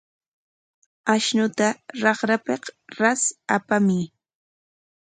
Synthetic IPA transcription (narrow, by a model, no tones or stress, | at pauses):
aʃnʊt̪aɾɑχɾapeqɾasapamɪ